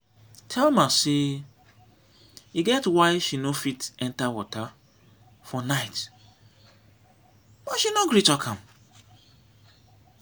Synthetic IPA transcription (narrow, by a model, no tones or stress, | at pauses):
tʰɛlmase | iɡɛtwaɪʃinofitɛ̃ntawɔta | fɔnaɪt | b̥ɔʃinoɡɹitɔkʰãm